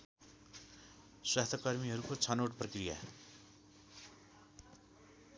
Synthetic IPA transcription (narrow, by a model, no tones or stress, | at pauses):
swast̪ʰʌkʌrmiɦʌɾukot͡sʰʌnoʈprʌkrija̰